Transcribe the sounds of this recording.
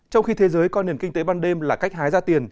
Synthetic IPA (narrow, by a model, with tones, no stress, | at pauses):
t͡ɕɔ˧wŋ͡mxi˧t̪ʰe˨˦zəː˨˦jkɔ˨˦ne˨˩əŋkï˧ŋt̪e˨˦ɓaː˧nɗe˧mlaː˨˩ka˦˥jk̟̚ɦaː˨˦jzaː˧t̪i˨˩ən